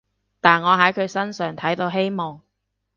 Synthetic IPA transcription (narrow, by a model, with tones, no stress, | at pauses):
t̪aː˨nŋɔː˨˧ɦɐ˨˥jkʰɵ˨˧ɥsɐ˥nsœː˨ŋt̪ʰɐ˨˥jt̪o˨˧wɦe˥jmɔː˨˩ŋ